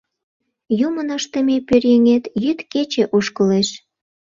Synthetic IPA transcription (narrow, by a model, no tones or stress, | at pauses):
jumənəʃt̪ə̆mepørjeŋet̪jyt̪ket͡ɕeʔuʃkəleʃ